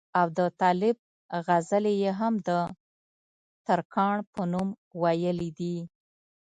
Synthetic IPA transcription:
awd̪ət̪ɑlɪb̚ | ɣazəlejeɦamd̪ə | t̪aɾkʰɑɳpənum | wajəlid̪i

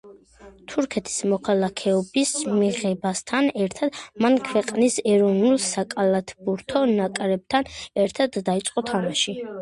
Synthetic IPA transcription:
t̪ʰuɾkʰɛt̪ʰi̥smɔkʰalˠakʰɛɔbismiʁɛbast̪ʰanɛɾt̪ʰad̪̥mankʰwɛqʼnisɛɾɔvnulˠsakʼalˠat̪ʰbuɾt̪ʰɔnakʼɾɛb̚t̪ʰanɛɾt̪ʰad̪ːait̪sʼqʼɔt̪ʰamaʃi

